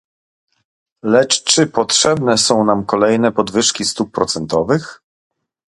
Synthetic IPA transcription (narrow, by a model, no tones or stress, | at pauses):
lɛt͡ʂt͡ʂɘpɔtʂɛbnɛsɔ̃w̃namkɔlɛjnɛpɔd̪vɘʂkʲist̪up̚ːɾɔt̪sɛnt̪ɔvɘx